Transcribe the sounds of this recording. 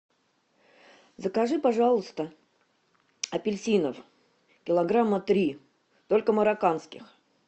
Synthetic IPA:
zəkɐʐɨpɐʐalˠəst̪ə | ɐpʲɪlʲsʲinəf | kʲɪlˠɐɡɾamːət̪ɾʲi | t̪olʲkəməɾakanskʲɪx

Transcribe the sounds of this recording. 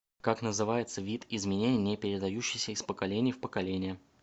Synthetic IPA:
kaknəzɨvajɪt̪səvʲit̪ɪzmʲɪnʲenʲɪjnʲɪpʲɪɾʲɪd̪ɐjuɕːɪjsʲəɪspəkɐlʲenʲɪjfpəkɐlʲenʲɪjə

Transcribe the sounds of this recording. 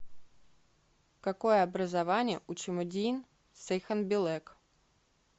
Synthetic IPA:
kɐkojəɐbɾəzɐvanʲɪjə̰ʔʊt͡ɕɪmʊdʲin | sɛjxənbʲɪlˠɛk

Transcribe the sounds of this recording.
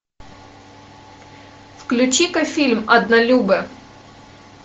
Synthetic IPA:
fklʲʉt͡ɕikɐfʲilʲmɐd̪nɐlʲubə

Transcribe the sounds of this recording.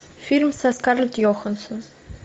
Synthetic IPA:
firmsaskarlt̪joxənsɨ̆n

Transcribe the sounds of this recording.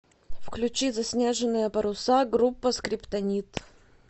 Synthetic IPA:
fklʲʉt͡ɕizɐsʲnʲeʐɨnːɨjəpəɾʊsaɡɾupːəskɾʲɪpt̪ɐnʲit̪

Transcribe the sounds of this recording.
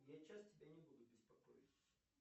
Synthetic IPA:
jat͡ɕastʲɪbʲanʲɪbud̪ʊbʲɪspɐkɔ̰jɪt̪s

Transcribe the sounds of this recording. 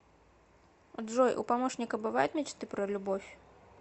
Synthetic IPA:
a̰d̪ʐɔjʔṵpamɔʂnʲikɐbɨvajut̪ʲmʲɛt͡ʃt̪ɨpɾɐlʲubɔfʲ

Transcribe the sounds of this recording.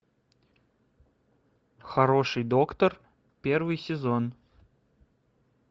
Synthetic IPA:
xɐɾoʂɨjd̪o̞kt̪ər | pʲervɨjsʲɪzon

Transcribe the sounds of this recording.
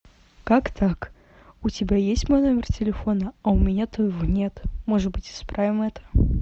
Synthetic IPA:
kakt̪ʰak | ʊtʲɪbʲajesʲtʲmojnomʲɪrtʲɪlʲɪfo̞nəɐʊmʲɪnʲat̪ojɪvonʲet̪moʐɨt̪bɨtʲɪ̥spɾʔavʲɪmɛt̪ə̥

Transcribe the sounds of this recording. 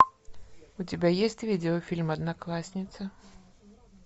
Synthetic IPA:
ʊtʲɪbʲajesʲtʲvʲidʲɪɔfʲilʲmɐd̪naklˠasʲnʲɪt̪sə

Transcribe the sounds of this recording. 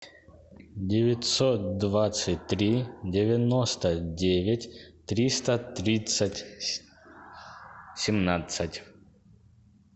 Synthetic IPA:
dʲɪvʲɪtʲsot̪̚d̪vat̪sɨt̚ʲt̪ɾʲidʲɪvʲɪnost̪ədʲevʲɪtʲt̪ɾʲist̪ət̪ɾʲit̪sətʲ | sʲɪmnat̪sɨtʲ

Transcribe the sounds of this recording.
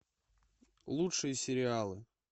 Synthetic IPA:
lˠutʂɨjəsʲɪɾʲɪalˠɨ

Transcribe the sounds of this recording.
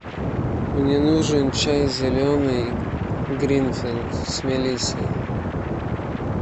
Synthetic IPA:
mnʲɛnuʐɨnt͡ɕajzʲɪlʲonɨj | ɡɾʲinfʲilt̪sʲmʲɛlʲisʲə

